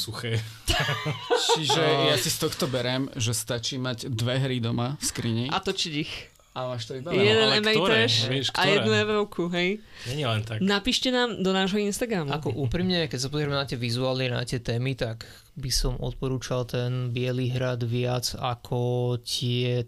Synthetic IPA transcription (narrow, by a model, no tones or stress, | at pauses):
suxɛ | t͡ʃiʒɛjasist̪ɔxt̪ɔbɛɾɛmʒɛst̪at͡ʃimaɟd̪ʋɛɦɾid̪ɔmafskɾiɲɛʔat̪ɔt͡ʃiɟix | amaːʃt̪ɔibajjɛd̪ɛnɛmɛlt̪ɛʃɛʃkʔajɛd̪nuɛʋɛʊkʰuɦɛj | ɲɛɲilɛnt̪aknapiːʃcɛnaːmd̪ɔnaːʒɦɔinst̪aɡɾamakɔʔuːpɾimɲɛkɛcsapɔzɾɛmɛnat̪ɪɛʋizuaːlnina̰t̪ɪɛt̪ɛːmit̪aɡ | bisɔmʔɔ̰t̪̚pɔɾuːt͡ʃalt̪ɛnbɪɛliɦɾad̪ʋɪat͡sakʰɔcɪɛ